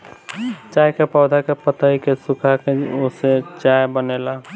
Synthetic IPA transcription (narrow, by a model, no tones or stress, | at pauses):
t͡ʃaːjkepɔːd̪ʱakepət̪aikesʊkʰakeoset͡ʃajbənela